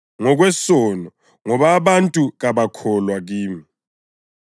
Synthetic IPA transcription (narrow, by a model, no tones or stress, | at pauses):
ŋɔɣ̬wɛsɔnɔ | ŋɔβaβantʼuɣaβakʰɔlwaɣiːmi